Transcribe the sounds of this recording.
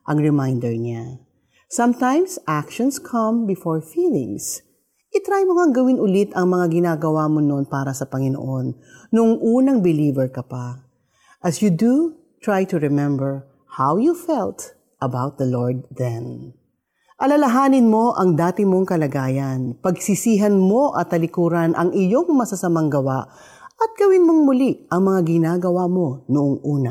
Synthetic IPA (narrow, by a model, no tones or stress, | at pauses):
ʔɐŋɹɛmajnd̪ɛɹɲa | sɐmt̪ãjmsʔakʃɔ̃nskʰɐ̃mbɪfɔɹfiːlɪ̰̃ŋs | ʔɪt̪ɾajmoŋaŋɡɐwɪnʔʊlɪt̪ɐŋmɐŋaɡɪnaːɡɐwaːmononpaːɾɐsɐpɐŋɪno̰ʔonː | ʊŋʔuːnɐŋbɪliːvɛɹkɐpa | ʔɐsjud̪u | t̪ɹajt̪ʊɹɛmɛ̃mbɛɹ | hawjufɛlt̪ | ʔɐbawt̪̚d̪ɐloɹd̪̚ðɛn | ʔɐlɐlɐɦaːnɪnmo̞ʔɐŋd̪aːt̪ɪmo̞ŋkɐlɐɡaːjɐnpɐɡsɪsiːɦɐnmo̞ʔɐt̪ːɐlɪkuːɾɐnʔɐŋʔɪjo̞ŋmɐsɐsɐmɐŋɡɐwaʔ | ʔɐt̪̚ɡ̥ɐwɪnmoŋmʊliʔɐŋmɐŋaɡɪnaːɡɐwamo̞noʔoŋʔuːnɐ